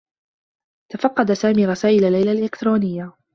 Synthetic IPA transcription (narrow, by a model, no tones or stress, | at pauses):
t̪afɑqːɑd̪asaːmiːɾˤɑsaːʔɪlalːajlalʔɪkt̪ɾˤoːnɪjːa